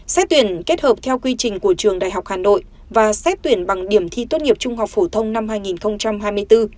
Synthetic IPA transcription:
sɛ˦˥t̚t̪wi˧˩ənke˦˥t̚həː˨˩p̚t̪ʰɛ˧wkwi˧t͡ɕï˨˩ŋ̟ku˧˩ət͡ɕɨ˨˩əŋɗa̰ː˨jɦa˨˩wk͡p̚haː˨˩no̰˧˨j | vaː˨˩sɛ˦˥t̚t̪wi˧˩ənɓa˨˩ŋɗi˧˩əmt̪ʰi˧t̪wt̚ŋi˨˩əp̚t͡ɕʊ˧ŋ͡mha˨˩wk͡p̚fo˧˩t̪ʰə˧wŋ͡mna˧mɦaː˧jŋi˨˩nxə˧wŋ͡mt͡ɕa˧mɦaː˧jmɨ˧əjt̪ɨ˧

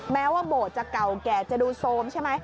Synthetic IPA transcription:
mɛː˦˥waː˥˩boː˨˩t̪̚t͡ɕa˨˩ka˨˩wkɛː˨˩t͡ɕa˨˩duː˧soː˧mt͡ɕʰa˥˩jma˦˥j

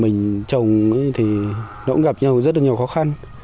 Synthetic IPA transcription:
mï˨˩ŋ̟t͡ɕə˨˩wŋ͡mt̪ʰi˨˩nɔ˨˧ʔŋɣa˨˩p̚ɲa˧wzə˦˥t̚lɲi˨˩wxɔ˨˦xa˧n

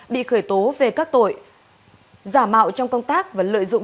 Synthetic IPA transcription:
ɓḭ˧˨xəː˧˩jt̪o˨˦ve˨˩kaː˦˥k̚t̪o̰˧˨j | zaː˧˩ma̰ː˧˨wt͡ɕɔ˧wŋ͡mkə˧wŋ͡mt̪aː˦˥k̚vaː˨˩lə̰˧˨jzʊ̰˧˨ŋ͡m

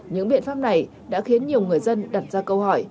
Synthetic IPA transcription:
ɲɨ̰˧˥ŋɓḭ˧˨nfaː˦˥p̚na˨˩j | ɗa̰ː˧˥xi˨˦ənɲi˨˩əwŋɨ˨˩əjzə˧nɗa˨˩t̚zaː˧kə˧whɔ˧˩j

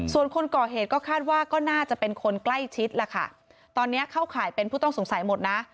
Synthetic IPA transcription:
su˨˩ənkʰo˧nkɔː˨˩ɦeː˨˩t̪̚kɔː˥˩kʰaː˥˩t̪̚waː˥˩kɔː˥˩naː˥˩t͡ɕa˨˩pe˧nkʰo˧nkla˥˩jt͡ɕʰi˦˥t̪̚la˨˩kʰa̰˥˩ | t̪ɔː˧nːi˦˥ɐkʰa˥˩wkʰaː˨˩˦jpe˧npʰuː˥˩t̪ɔ˥˩ŋso˩˦ŋsa˩˦jmo˨˩t̪̚na˦˥

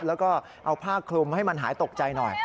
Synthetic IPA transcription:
p̚lɛː˦˥wkɔː˥˩ | ʔa˧wpʰaː˥˩kʰlu˧mha˥˩jma˧nɦaː˩˦jt̪o˨˩k̚t͡ɕa˧jnɔ̰˨˩j

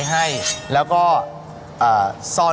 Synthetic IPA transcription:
jɦa˥˩jlɛː˦˥wkɔː˥˩ | ʔɤː˨˩sɔː˧˩

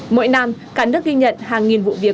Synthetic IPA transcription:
mo̰˧˥jna˧mkaː˧˥nɨ˦˥ək̚ːi˧ŋ̟ɲə̰˧˨nhaː˨˩ŋːi˨˩nvṵ˧˨vi˨˩ə

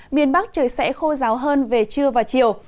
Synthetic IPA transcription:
mi˧˩ənɓa˦˥k̚t͡ɕəː˨˩jsɛ̰˧˥xo˧zaː˨˦wɦəː˧nve˨˩t͡ɕɨ˧əvaː˨˩t͡ɕi˧˨əw

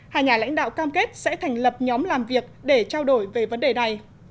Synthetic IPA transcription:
haː˨˩ɲaː˨˩la̰˧˥jŋ̟ɗa̰ː˧˨wkaː˧mke˦˥t̚sɛ̰˧˥t̪ʰa˨˩jŋ̟lə˨˩p̚ɲɔ˨˦mlaː˨˩mvi˨˩ək̚ɗe˧˩t͡ɕaː˧wɗo˧˩jve˨˩və˨˦nɗe˨˩na˨˩j

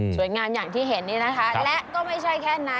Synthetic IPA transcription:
su˨˩˦jŋaː˧mjaː˨˩ŋt̪ʰiː˥˩ɦe˩˦nːiː˦˥˩na˦˥kʰa˦˥lɛ˦˥ʔkɔː˥˩ma˥˩jt͡ɕʰa˥˩jkʰɛː˥˩na˦˥

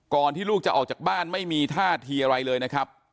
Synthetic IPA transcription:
kɔː˨˧nt̪ʰiː˥˩luː˥˩k̚t͡ɕa˨ʔɔː˨˩k̚t͡ɕaː˨˩k̚baː˥˩nma˥˩jmiː˧t̪ʰaː˥˩t̪ʰiː˧ʔa˧ɾa˧jlɤː˧jna˦˥kʰɾa˦˥p̚

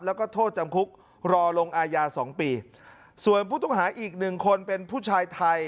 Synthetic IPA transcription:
plɛː˦˥wkɔː˥˩t̪ʰoː˥˩t͡ɕa˧mkʰu˦˥k̚ | ɾɔː˧lo˧ŋʔaː˧jaː˧sɔː˩˦ŋpiː˧ | su˨˩ənpʰuː˥˩t̪ɔ˥˩ŋɦaː˩˦ʔiː˨˩k̚nɯ˨˩ŋkʰo˧npe˧npʰuː˥˩t͡ɕʰaː˧jt̪ʰa˧j

